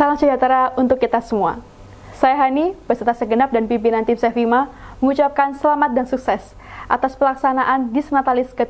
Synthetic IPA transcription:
salaŋsəd͡ʒat̪əɾaunt̪ʊkːit̪asəmua̰ | sajaɦanibəsət̪asəɡənap̚danpimpinant̪ɪmsɛfimaməŋut͡ʃap̚kansəlamat̪̚dansuksɛs | ʔa̰t̪aspəlaksanaʔandisənat̪alɪskət̪

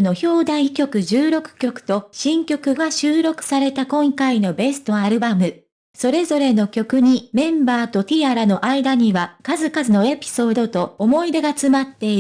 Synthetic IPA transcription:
no̞ço̞ːd̪ãɰ̃ikʲo̞kɯ̟ʑɨːɾo̞kɯ̥kʲo̞kɯ̟̥t̪o̞ɕĩŋkʲo̞kɯ̟ɡaɕɨːɾo̞kɯ̟̥saɾe̞t̪akõ̞ŋkaino̞be̞sɨ̥t̪o̞aɾɯ̟bamɯ̟ | so̞ɾe̞zo̞ɾe̞no̞kʲo̞kɯ̟ɲ̟imẽ̞mbaːt̪o̞t̪ʲiaɾano̞ʔaid̪aɲ̟iβakazɨkazɨno̞e̞pʲi̥so̞ːd̪o̞t̪o̞ːmo̞id̪e̞ɡat͡sɨmat̪ːe̞i

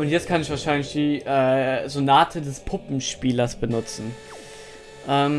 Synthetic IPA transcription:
ʔʊntjɛt͡stkʰanɪçv̥aɐʃaɪnlɪçd̥iːʔɛːzonaːtʰədɛspʰʊpm̩ʃpiːlɐsb̥ənʊt͡sn̩ | ʔɛːm

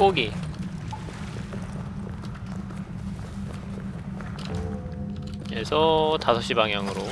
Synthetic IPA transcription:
koɡi | esʰʌtasʰʌɕ͈ibaŋɦjaŋɯɾo

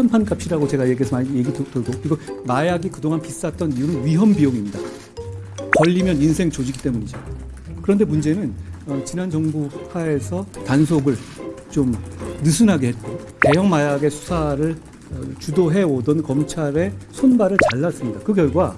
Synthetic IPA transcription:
pʰanpʰank͈apʰiɾaɡot͡ɕe̞ɡajeɡiɦesʰʌmaɲije̞ɡitoɭɡokɯɾiɡomajaɡikɯdoŋanpis͈at̚t͈ʌnijunɯnɥiɦʌmbijoŋimɲida̰ | kʌʎːimjʌninsʰe̞ŋt͡ɕod͡ʑiɡit͈e̞muɲid͡ʑo | kɯɾʌnde̞mund͡ʑe̞nɯnʌt͡ɕinand͡ʑʌŋbuhaesʰʌtans̬ʰoɡɯɭt͡ɕomnɯsʰunɦaɡeɦet̚k͈o | te̞jʌŋmajaɡe̞sʰu̥sʰaɾɯɭ | t͡ɕudoɦe̞ʌdʌnkʌmt͡ɕʰaɾe̞sʰonbaɾɯɭt͡ɕaɭːas͈ɯmɲidakɯkjʌɭɡwa

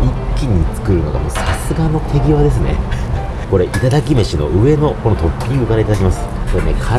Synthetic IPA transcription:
ikʲːiɲ̟it͡sɨ̥kɯ̟ɾɯ̟no̞ɡa̰mo̰ːsasɨɡano̞t̪ʰe̞ɡʲiβad̪e̞s̬ɨne̞̰ | ko̞ɾe̞ʔit̪ad̪akʲimeɕino̞̰ʔɯ̟e̞no̞ko̞not̪o̞pʲːiɲiɡɯ̟kaɾait̪ad̪akʲimasɨ̥ko̞ɾenekʰa

